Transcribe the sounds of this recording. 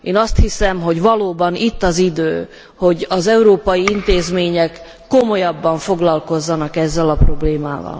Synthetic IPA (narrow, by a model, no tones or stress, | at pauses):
eːnɒst̪hisɛmɦo̞ɟvɒloːbɒnit̪ːɒzid̪øː | ho̞ɟɒzɛuɾoːpɒjiint̪eːzmeːɲɛkː | o̞mo̞jɒbːɒɱfoɡlɒlko̞zːɒnɒkɛzːɛlɒpro̞bleːma̰ːvɒ̰l